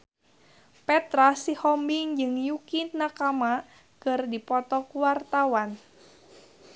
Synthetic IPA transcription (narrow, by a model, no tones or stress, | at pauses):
pɛt̪ɾasihɔmbiŋd͡ʒɨŋjukit̪nakama | kɨrdipɔt̪ɔkuwart̪awan